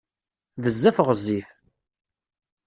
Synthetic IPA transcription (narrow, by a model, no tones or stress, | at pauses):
vəzːæfəʁəzːif